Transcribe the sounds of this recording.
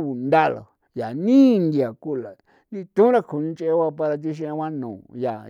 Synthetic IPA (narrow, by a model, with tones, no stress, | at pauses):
u˨nd̪a˦˨lo̰˨ | ja˨nĩ˦˧nd̪i˧a˨ku˦la˨ | nĩ˦˧t̪ũ˦ɾa˦kʰu˨nĩ˧t͡ʃe˧e˦wa˧p̬a˧ɾa˧t̪̬i˧ʃ̬ẽ˧wã˦nṵ̃ː˨ja˨